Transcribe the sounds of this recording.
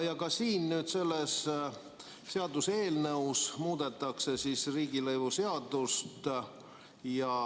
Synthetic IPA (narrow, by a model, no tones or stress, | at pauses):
jɑkɑsiːnnyːd̪se̞lːe̞s | se̞ɑd̪use̞ːlnɤusmuːd̪̥e̞t̪ːˑɑkse̞sisriːɡ̥ilɤjvuse̞ɑd̪̥ust̪ | jɑ